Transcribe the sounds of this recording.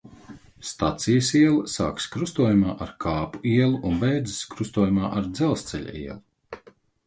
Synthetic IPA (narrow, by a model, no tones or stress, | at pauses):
st̪at̪sijɐsiɛlˠɐsa̰ːkskɾust̪uɔjumaːʔaɾkʰaːpu̥iɛlˠuʔunbɛjd̪ziskɾust̪uɔjumaːʔaɾd̪zɛlˠst̪sɛʎʲa̰ḭɛlˠu